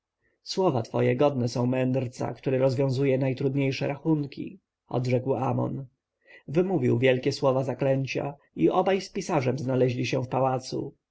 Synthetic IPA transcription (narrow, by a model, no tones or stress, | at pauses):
swɔvat̪fɔjɛɡɔd̪nɛsɔ̃w̃mɛnd̪ɾt̪sa̰kt̪uɾɛɾɔzvjɔ̃w̃zujɛnajt̪ɾud̪ɲejʂɛ̰ɾaxunkʲḭ | ɔ̰d̪ʐɛkwamɔ̰n | vɘmuvʲiwvʲjɛlkʲɛswɔvazaklɛɲt͡ɕa̰ | iʔɔbajspʲisaʐɛmznalɛʑlʲiɕɛfpawat̪sṵ